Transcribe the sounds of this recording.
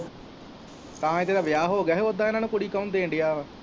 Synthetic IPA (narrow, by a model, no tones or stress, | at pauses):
t̪ãːɪt̪eːd̪aːʋɪjaːɦoːɡɛːɦeod̪ãːɪnaːnũːkʊɽiːkaʊ̃ːnd̪eːɪɳɖɪjaː